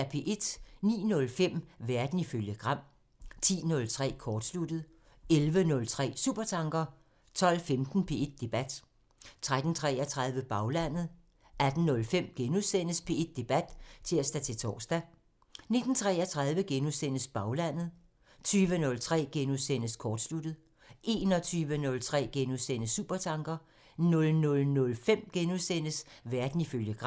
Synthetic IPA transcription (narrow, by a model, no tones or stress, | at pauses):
æpʰe̝ʔe̝d̥nḭːnɔ̽lfem̰ʋæɐd̥n̩iføljəɡ̥ʁɑ̈m̰ | t͡sʰḭːnɔ̽lt͡sʰʁɛ̰ːkʰɒːd̥slud̥ð̞̩ˠ | elʋənɔ̽lt͡sʰʁɛ̰ːsṵːb̥ɐt͡sʰɑ̈ŋɡ̥ɐ | t͡sʰɒ̽l̰femd̥n̩pʰe̝ed̥̚ːe̝b̥æd̥ | t͡sʰʁad̥n̩t͡sʰʁɛːɐt͡sʰʁɑ̈ð̞ˠʋəb̥ɑ̈ʊlæn̰ð̞̩ˠ | æd̥n̩nɔ̽lfem̰ɡ̥enuðˠsen̰əspʰe̝ed̥̚ːe̝b̥æd̥t͡sʰe̝læsd̥æt͡sʰe̝t͡sʰɒ̰ːsd̥æ | ne̝d̥n̩t͡sʰʁɛɐt͡sʰʁɑ̈ð̞ˠʋəɡ̥enusen̰əsb̥ɑ̈ʊlæn̰ð̞̩ˠ | t͡sʰyːʋənɔ̽lt͡sʰʁɛ̰ːɡ̥enusenəskʰɒːd̥slud̥ð̩ˠ | ʔe̝ːnɒ̽t͡sʰyːʋənɔ̽lt͡sʰʁɛ̰ːɡ̥enusen̰əsṵːb̥ɐt͡sʰɑ̈ŋɡ̥ɐ | nɔ̽lnɔ̽lnɔ̽lfem̰ɡ̥enusen̰əsʋæɐd̥n̩iføljəɡ̥ʁ